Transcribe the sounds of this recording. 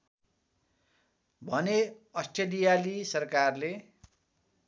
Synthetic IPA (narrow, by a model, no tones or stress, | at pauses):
bʱʌne | ʌsʈelijalisʌrkarle